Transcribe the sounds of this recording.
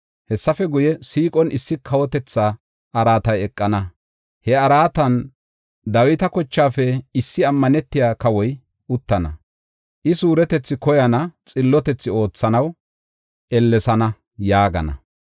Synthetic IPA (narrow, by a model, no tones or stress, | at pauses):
hɛsːɐfɛɡʊjɛsiːkʼɔnʔɪsːɪkʰɐwɔt̪ɛt͡sːaː | ʔɐɾaːt̪ɐjɛkʼːɐnɐ | hɛɐɾaːt̪ɐn | d̪ɐwɪt̪ɐkɔt͡ʃːaːfɛɪsːɪɐmːɐnɛt̪ːɪjaːkɐwɔj | ʔʊt̪ːɐnɐ̰ | ʔɪsuːɾɛt̪ɛt͡sːɪkɔjɐnɐt͡sʼɪlːɔt̪ɛt͡sːɪo̞ːt͡sːɐnɐw | ʔɛlːɛsɐnɐ | jaːɡɐ̰nɐ̰